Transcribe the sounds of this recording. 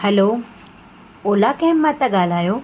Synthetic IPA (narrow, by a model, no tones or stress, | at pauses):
hɐloː | oːlakemːãt̪ɐɠaːl̤aːjoː